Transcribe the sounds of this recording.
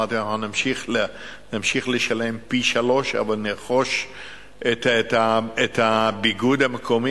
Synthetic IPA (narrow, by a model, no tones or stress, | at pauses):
aʁt̪ianaχunamʃiχle | namʃiχleʃale̞mpiʃalo̞ʃa̰valneʁχo̞ʃ | et̪et̪aet̪habiɡud̪hameko̞mi